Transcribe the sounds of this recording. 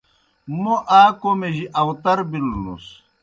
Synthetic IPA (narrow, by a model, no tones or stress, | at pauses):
moʔaːkomeʑiʔɐwt̪ɐɾbilːṵs